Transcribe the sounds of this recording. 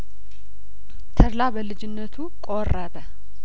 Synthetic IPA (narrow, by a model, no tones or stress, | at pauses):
t̪ʰəɾlabəlɨd͡ʒɪnːət̪ʰukʼorəbə